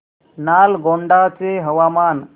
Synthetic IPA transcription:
nalɡoɳɖat͡seɦəʋaman

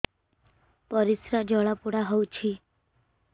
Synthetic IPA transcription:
pʌɾisɾad͡ʒɔɭapuɽaɦɔwt͡ʃʰi

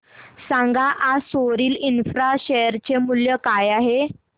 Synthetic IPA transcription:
sãŋɡaʔasoɾiːlinfɾaɕejəɾt͡ɕemuljəkajaɦe

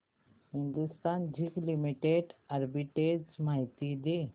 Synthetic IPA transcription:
hind̪ust̪and͡ʑiklimiʈeɖaɾbiʈeɡmaɦit̪id̪e

